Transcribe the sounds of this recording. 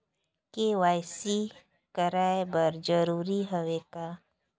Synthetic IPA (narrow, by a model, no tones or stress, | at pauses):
kewaːjsi | kəɾaːebəɾd͡ʒəɾuːɾiɦəweːkaː